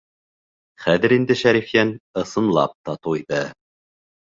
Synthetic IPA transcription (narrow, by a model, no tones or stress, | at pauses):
χæðɘ̆ɾind̪ɘʃæɾifjænɤ̆sɤ̆nlˠɑ̰p̚t̪ɑt̪uiðɤ